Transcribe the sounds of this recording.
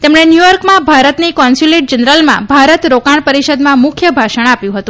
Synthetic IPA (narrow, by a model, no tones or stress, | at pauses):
t̪emɳenjujɔɾkmãbʱaɾət̪nikɔnsuleʈ̚d͡ʒənɾəlmã̰bʱaɾət̪ɾokaɳ̃pəɾiʃəd̪mãmʊkʰjəbʱaʃəɳ̃apjũɦət̪ũ